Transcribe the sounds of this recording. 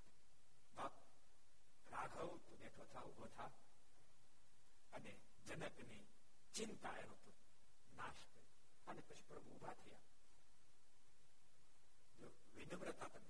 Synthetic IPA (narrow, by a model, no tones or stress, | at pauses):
baːk | ɾaːɡʱɐwt̪uneʈʰoːt̪ʰaːubʱoːt̪ʰa | ɐne | d͡ʒɐnɐkni | t͡ʃint̪a̰ːjɐnot̪u | naːʃkɐ | ɐnepɐʃu̥pɾɐbʱuːbʱaːt̪ʰija̰ː | d͡ʒo | ʋinɐʋɾɐt̪at̪ɐn